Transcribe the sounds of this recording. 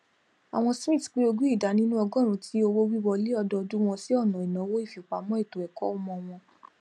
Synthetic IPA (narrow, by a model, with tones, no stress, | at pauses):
a̰˨w̃ɔ̃˧sĩ˦˨tk͡pi˦o˧ɡu˦i˦˨da˨˦nĩ˦nũ˦ɔ˧ɡɔ̃˦˨ɾ̃ũ˨˦tʰi˦o˧wo˦wi˦wɔ˧le˦ɔ˧dɔ˧du˦w̃ɔ̃˧si˦ɔ˦˨nã˨i˨nã˨˦wo˦i˦˨fi˨k͡pa˨˦mɔ̃˦i˦˨to˨ɛ˨kɔ˦o˧mɔ̃˧w̃ɔ̃˧